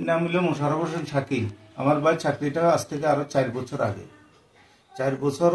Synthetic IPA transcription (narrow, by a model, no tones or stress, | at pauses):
namuliomoʃaɾaboʃ̬enʃʰaki | a̰maɾbajt͡ɕʰakɾiʈaast̪ʰekeaɾot͡ɕaɾbɔt͡ɕʰoɾa̰ɡḛ | t͡ɕaɾbɔt͡ɕʰoɾ